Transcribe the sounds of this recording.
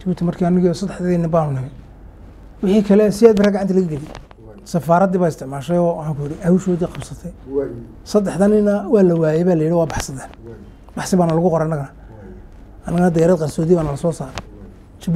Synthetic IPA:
t͡ʃɐbuːt̪ʰimɐrkʰiːɐnɪɣiːsɐd̪ːɛħd̪ɐðɪːnɪmbaːnʊnɐɣɛj | wɪħiːkʰɐlɛsɪjæːd̪bɪrɐɡaʕant̪ʰɐlɐɣɐɡɪdi | sɐfaːɾɐd̪iːβaːɪst̪ʰɪʕmaːʃɛjɔːwħaːŋkʊjɪɽiʔɐhuːʃɔːðiqɑbsɐt̪ʰɛj | sɐd̪ɛħd̪ɐnɪnɐwɑːlɐwaːjɛβaːlɐjɪɽiwɑːbɑħsɐðaːn | b̥ɑħsɪβaːnɐlɐɣʊqɔɾɛnɐɣɐnɐ | ɐnɐɣɐnɐd̪ɐjɾɐd̪qɑnsɔːðiβaːnɐlɐsɔːsaːɾɛ | t͡ʃɐb

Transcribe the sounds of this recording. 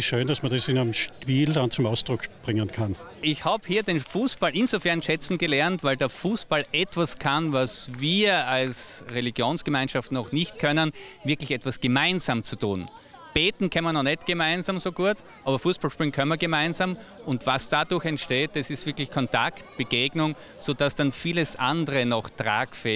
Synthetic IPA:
iʃøːnd̥asmɐdɛsɪnamʃpiːldant͡sʊmaʊsd̥ʁʊkʰb̥ʁɪŋənkʰan | ɪçhaːbəhiːɐdenfuːsb̥alʔɪnzofɛɐnʃɛt͡sn̩ɡəlɛɐntvaæɪldɐfuːsb̥alʔɛtv̥askʰanvasviːɐalsʁeliɡjoːnsɡ̥əmãɪnʃaftnɔχnɪçtkʰœnənvɪɐklɪçɛtv̥asɡ̥əmaɪnzaːmt͡sutṵːn | b̥eːtn̩kʰanmənɔχnɛtɡ̥əmaɪnzaːmsoːɡuːɐt | ʔaːbɐfuːsb̥alʃpʁɪ̃ŋkʰœnmiɐɡəmãɪnzamʔʊntvasd̥adʊɐçɛntʃteːt̚d̥asɪstv̥ɪɐklɪçkʰɔntʰa̰ktb̥əɡ̥eːɡnʊŋ | soːd̥asd̥anfiːləsʔandəʁənɔχtʁa̰ːkfɛː

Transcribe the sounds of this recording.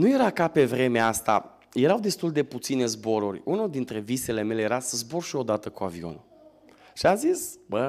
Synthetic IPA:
nuje̞ɾakape̞vɾe̞meast̪a̰ | je̞ɾawd̪e̞st̪uld̪e̞put̪sine̞zbo̞ɾurʲunod̪int̪ɾe̞vise̞le̞me̞le̞jeɾasəzborʃio̞d̪at̪əkua̰vio̞̰nu | ʃiazisbə

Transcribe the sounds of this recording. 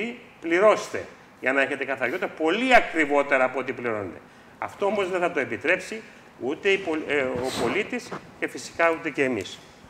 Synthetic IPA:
i | pliɾo̞st̪e̞̰ | ʝɐnɐe̞çe̞t̪e̞kɐθɐɾjo̞t̪ɾɐpo̞liɐkɾivo̞t̪e̞ɾɐːpoot̪ipliɾo̞ned̪e̞̰ | ɐ̰ft̪o̞omo̞zðeθɐt̪o̞e̞pit̪ɾe̞psi | ut̪e̞ipoopo̞lit̪isce̞fisi̥kɐut̪e̞ce̞ːmḭs

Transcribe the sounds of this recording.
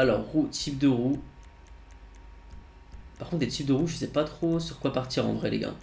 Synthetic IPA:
alɔʁːut̪ip̚d̪əʁu | paʁkɔ̃t̪d̪et̪ip̚d̪əʁuʒəisɛpat̪χosyʁkwapaʁt̪iʁɑ̰̃d̪ʁɛlḛɡã̰

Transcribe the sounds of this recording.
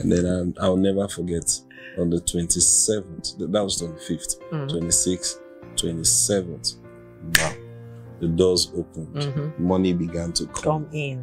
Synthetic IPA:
ə̰̃ndɛ̃naɪaɪwnɛvəfɔɡɛt | ə̃nðətʰwɛ̃ntisɛvə̃nθðatwɔz̥tʰwɛ̃ntififttʰwʰwɛ̃ntisiks | tʰwɛ̃ntisɛvə̃nθ | na | ðədɔzopʰə̃ndmʌnibiɡãntʰəkʰɔmɪ̃n

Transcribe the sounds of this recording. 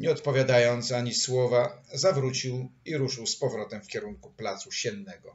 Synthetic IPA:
ɲɛɔt̪pɔvʲjad̪ajɔnt̪saɲiswɔvazavɾut͡ɕiwiɾuʂɘwspɔvɾɔt̪ɛmfkʲɛɾuŋkuplat̪suɕɛnːɛɡɔ

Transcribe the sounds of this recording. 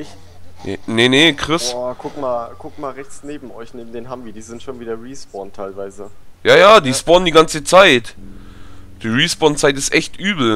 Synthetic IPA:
ɪç | nenekʁ̥ɪskʰʊk̚maːlkʰʊk̚tmaːlʁɛçt͡sneːbm̩ɔɪçneːbm̩deːnɦaːbmviːɐdiːzɪntʃoːnviːdɐʁiːsb̥ɔntʰːaɪlvaɪzəjaːjaːdiːsb̥ɔndiːɡant͡sət͡saɪt | d̥iːʁisb̥ɔnt͡saɪt̬ɪstʔɛçtʔyːbl̩

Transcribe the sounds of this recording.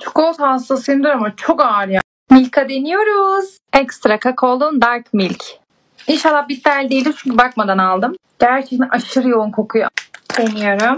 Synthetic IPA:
t͡ʃʰu̥kʰot̪hast̪asɯjɯnd̪uɾamat͡ʃʰo̞kaːɾɯja | milʲkʰad̪enijo̞ɾuz | ɛkst̪ɾakʰakʰolˠund̪aɾkmilʲc | inʃalˠːahbit̪̚ːælʲd̪eild̪imt͡ʃʰuɲcʰibak̚mad̪analˠd̪ɯmɟ̥æɾt͡ʃʰet̪ɛʔaʃɯɾjounkʰo̞kʰujo̰d̪̥enijoɾum

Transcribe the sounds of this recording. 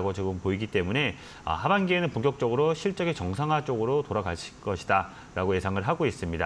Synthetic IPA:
ɡot͡ɕoɡɯmpoiɡit͈e̞mune̞ | ʌ̰habanɡienɯnpoŋkjʌk̚t͡ɕ͈ʌɡɯɾoɕʰiɭt͡ɕ͈ʌɡet͡ɕʌŋsʰaŋɦat͡ɕ͈oɡɯɾotoɾaɡaɕʰi̥ɭk͈ʌɕʰida | ɾaɡoje̞sʰaŋɯɭɦaɡois͈ɯmɲida

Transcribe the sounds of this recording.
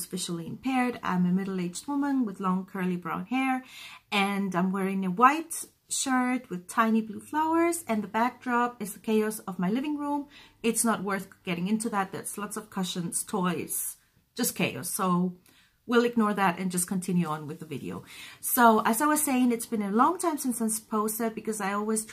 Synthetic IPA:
zfɪʃl̩ˠiɨ̃mpʰɛɹɾã̰ɪ̃mɨmɪɾl̩ˠeɪd͡ʒd̚wʊmə̃nwɨðlɔ̃ŋkʰɜ˞lˠibɹã̰ʊ̃nhɛɹɨ̃nãɪ̃mwɛɹɪ̃ŋɨwaɪt | ʃɜ˞d̚wɨð̥tʰãɪ̃nibluflaʊə˞zɨ̃nðəbæk̚d̥ɹɑpɨzðɨkʰeɪɑsʌvmaɪlɪvɪ̃ŋɹũmɨtsnət̚wɜ˞θɡ̥ɛɾɪ̃ŋɪ̃ntʉðɨt̪̚ðɨ̰tslɑtsʌv̥kʰʌʃɨ̃nz̥tʰɔɪz̥ | ʒ̥ʌskʰeɪɑ̰soʊ | wilˠɨɡ̚nɔɹðæɾɨ̃nd͡ʒʌskʰɨ̃n̩tʰɪ̃njʉə̃nwɨðɨvɪɾḭo̰ʊsoʊʔɨzaɪwʌz̥seɪɪ̃ŋɨtsb̥ɨ̃nɨlɔ̃ŋtʰãɪ̃msɪ̃nsɪ̃nspʰoʊsɛt̚b̥ɨkʌzaɪɔlˠwiz̥

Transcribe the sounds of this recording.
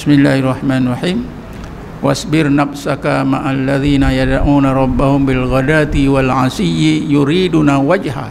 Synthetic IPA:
ɪsmɪlːaːharˤːɑħmaːnrˤɑħiːm | wasbɪrnafsakamaʔalːaðiːnajad̪aʔuːnaɾˤɑbːahʊmbɪlɣadat̪iwalʕasɪjːijuɾiːdunawad͡ʒha̰

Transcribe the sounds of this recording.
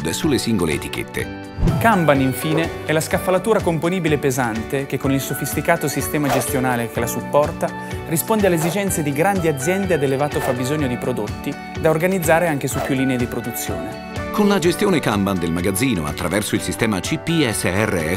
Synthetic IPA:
d̪sulːesiŋɡolḛḛt̪i̥k̟ḛt̪ːḛ | kambaniɱfiːneɛlaskafːalat̪uːɾakomponiːbilepezant̪ek̟ekːonilsofist̪ikaːt̪osist̪ɛːmad͡ʒest̪jonaːlek̟elasupːɔrt̪a | rispond̪ealezid͡ʒɛnt̪sed̪iɡɾand̪iad̪zjɛnd̪ead̪elevaːt̪ofabːizoɲːod̪ipɾod̪ot̪ːi | d̪aorɡanid̪zːaːɾeaŋk̟esupːjulːiːneed̪ipɾod̪ut̪sːjo̰ːne | konlad͡ʒest̪joːnekamband̪elmaɡad̪zːiːno̰a̰t̪ːɾavɛrsoilsist̪ɛːmat͡ʃipːiɛsːeɛrːḛɛ

